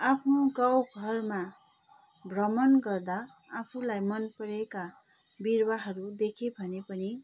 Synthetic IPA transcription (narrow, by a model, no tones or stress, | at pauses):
apʰnoɡawɡʱʌrma | bʱrʌmʌnɡʌrd̪a | apʰulajmʌnpʌɾekabirwaɦʌɾud̪ekʰebʱʌnepʌni